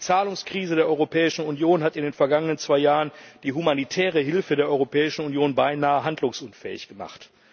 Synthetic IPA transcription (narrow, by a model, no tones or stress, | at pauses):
dit͡saːlʊŋskʁ̥iːzədeːɐʔɔʏʁopʰɛːɪʃn̩unjoːnɦatɪndeːnfɛɐɡaŋənənt͡sv̥aɪjaːʁənd̥iːɦumanitʰɛːʁ̞əɦɪlfədeːɐʔɔʏʁopʰɛːɪʃn̩unjoːnbaɪnaːəɦandlʊŋsʔʊnfɛ̰ːɪ̰çɡ̥əma̰χt